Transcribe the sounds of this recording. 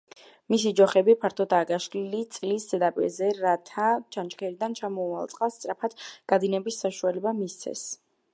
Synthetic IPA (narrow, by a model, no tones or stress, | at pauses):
mis̬id͡ʒɔχɛbipʰaɾt̪ʰɔd̪aːɡʼaʃlilit̪sʼliszɛd̪apʼḭɾzɛɾat̪ʰat͡ʃʰant͡ʃkʰɛɾid̪ant͡ʃʰamɔua̰lˠt̪sʼqʼast̪sʼɾapʰad̪̥ɡ̥ad̪inɛbisːaʃualɛbamist̪sʰɛ̰s